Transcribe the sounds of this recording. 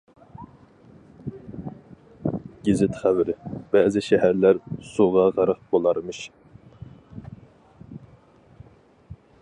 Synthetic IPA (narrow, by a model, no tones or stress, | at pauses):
ɡʲezɪt̪χævɪɾɪb̥ɛzɪʃɛɦæɾlæɾsuʁɑʁɑɾəq̚bolˠɑɾmɨʃ